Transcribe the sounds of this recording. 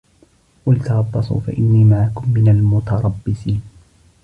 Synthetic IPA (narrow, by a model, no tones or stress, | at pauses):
walt̪ɑɾˤɑbːɑsˤṵːfa̰ʔɪnːiːmaʕakʊmːɪnalmʊt̪ɑɾˤɑbːɪsiːn